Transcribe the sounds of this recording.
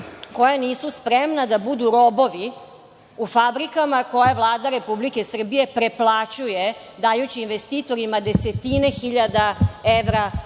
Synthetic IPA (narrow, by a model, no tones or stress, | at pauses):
ko̞janiːsuspɾemnad̪abud̪uɾo̞bo̞ʋi | ufabɾikamako̞jaʋlˠaːd̪aɾe̞publike̞sr̩bije̞pɾe̞plˠat͡ɕuje | d̪ajut͡ɕiːnʋest̪iːt̪o̞ɾimad̪e̞set̪ine̞xiʎad̪aeʋɾa